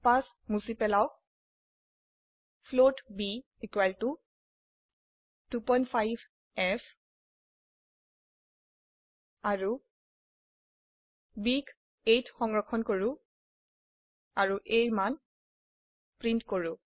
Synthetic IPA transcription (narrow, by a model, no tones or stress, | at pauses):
pas | musipɛlaw | pʰlotbi | ekwaltu | tupɔjntfʰajbʱ | ɛf | aɹu | bik | ejtxɔŋɡɹɔkʰɔnkoɹũ | aɹuʔejman | pɹintkoɹũ